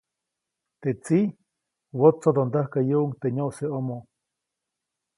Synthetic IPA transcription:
t̪et͡si | wot͡sːod̪ond̪əhkajuʔuŋt̪eɲoʔseomo

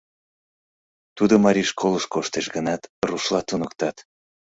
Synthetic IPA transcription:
t̪ud̪omɑɾʲiʃkʰolˠəʃkoʃt̪eʃɡənɑt̪ruʃlɑt̪unəkt̪ɑt̪

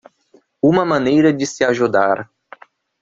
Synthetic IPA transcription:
ũmɐmɐ̃nejɾɐd̪ɪsɪaʒud̪aɾ

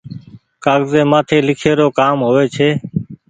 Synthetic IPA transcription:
kaːɡzeːmãːt̪ʰeːlɪkʰeːɾoːkaːmɦoːʋeːt͡ʃʰeː

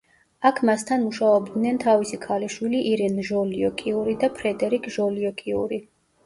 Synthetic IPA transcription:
akʰmast̪ʰanmuʃaɔbd̪nɛnt̪ʰavisikʰaliʃwiliʔiɾɛnʒɔliɔkʼiuɾid̪apʰɾɛd̪ɛɾikʼʒɔliɔkʼiṵɾi

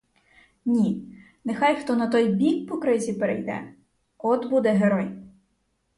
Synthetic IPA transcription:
nʲi | nexɑjxt̪ɔnɐt̪ɔjbʲik̚pɔkɾɪzʲipeɾḛjd̪ɛ̰ | ɔd̪bud̪ɛɦeɾɔj

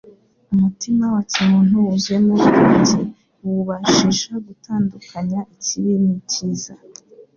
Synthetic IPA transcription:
umutimawacimuːn̥uwuzemuβkuɲze | wuβaʃiʒaɡutaːndukaɲaʔiciβimiciza

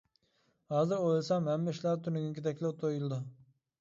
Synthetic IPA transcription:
hɑːzɪɾojlˠsɑmɦɛmːɪʃlæɾt̪ʰynɪɡʲinkʲid̪ɛkʲlɛt̪ʰojulˠɨd̪u

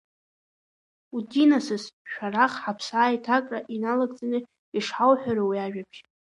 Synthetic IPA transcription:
udinasɨsʃᶣaɾaχħapʰsaːjtʰakʼraʔinalaɡʼt͡sʼanɨ | iʂħawħʷᶣaɾawiaʒᶣapʰ

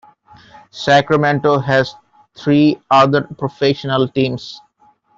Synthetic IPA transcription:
sækɾəmẽɳʈoɦæz | t̪ʰɾiːad̪əɾpɾofeʃənəlʈĩːms

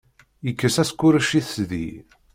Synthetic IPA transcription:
jəkːəsæskːʊɾəʃiθəsðḭ

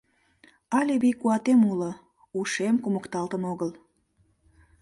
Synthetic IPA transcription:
ɑlʲeβijkuɑt̪emulə | uʃemkuməkt̪ɑlt̪ənoɣəl

